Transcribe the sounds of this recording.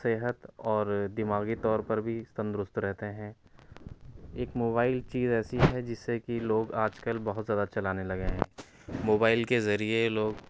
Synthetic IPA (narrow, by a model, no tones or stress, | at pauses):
seːɦət̪ɔːɾd̪ɪmaːɡit̪ɔːɾpɐɾbʱist̪ə̃nd̪ɾʊst̪ɾɛɦt̪eɦɛ̃ | eːkmoːbaːɪlt͡ʃiːzɛːsiɦɛd͡ʒɪsːekiloːɡaːd͡ʒkəlbɐɦʊt̪zjaːd̪at͡ʃɐlaːnelɐɡeɦɛ̰̃ː | moːbaːɪlkezɐɾieloːɡ